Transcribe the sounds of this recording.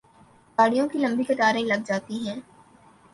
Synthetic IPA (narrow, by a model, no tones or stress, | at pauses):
ɡaːɽijõkilɐ̃mbikɪt̪aːɾẽlɐɡ̚d͡ʒaːt̪iɦɛ̃ː